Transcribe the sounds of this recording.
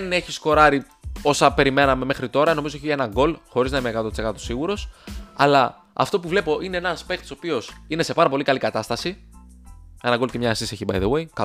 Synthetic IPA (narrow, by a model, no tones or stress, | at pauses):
ne̞çisko̞ɾɐɾi | o̞sɐpe̞ɾime̞nɐme̞me̞xɾit̪o̞ɾɐno̞mizoeçienɐŋɡo̞lxo̞ɾiznɐimekɐt̪ot̪isekɐt̪osiɣuɾo̞sɐlɐ | ɐ̰ft̪o̞puvle̞po̞ʔine̞enɐspe̞k̚t̪i̥so̞pio̞sine̞se̞pɐɾɐpo̞likɐlikɐt̪ɐst̪ɐsi | e̞nɐɡo̞lcemɲɐːsiseçibɐ̰jðewe̞jk